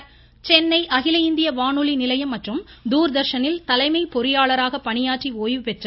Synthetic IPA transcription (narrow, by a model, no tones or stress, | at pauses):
t͡ʃɛnːɐɪʔɐɣɪlɐɪnd̪ɪjɐʋaːɳɯlinɪlɐjɐmːɐʈrɯmd̪uːɾd̪ɐɾʂɐnɪlt̪ɐlɐɪmɐɪpɔɾɪjaːɭɐɾaːɣɐpːɐɳɪjaːʈrioːjʋɯpɛʈrɐ